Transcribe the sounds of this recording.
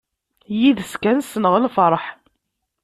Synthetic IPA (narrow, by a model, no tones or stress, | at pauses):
jiðəskænsənəʁlfɾˤəħ